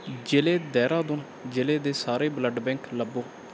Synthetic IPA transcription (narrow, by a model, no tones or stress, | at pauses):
d͡ʒeleːd̪ɛːɾaːd̪ʊn | d͡ʒeleːd̪eːsaːɾeːbləɖbɛ̃ːŋkləbːoː